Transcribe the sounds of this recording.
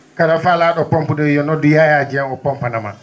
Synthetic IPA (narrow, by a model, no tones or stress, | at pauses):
kaɾafalaːɗɔpɔmpudɔjɔnɔdujajad͡ʒiãŋɔpɔmpanama̰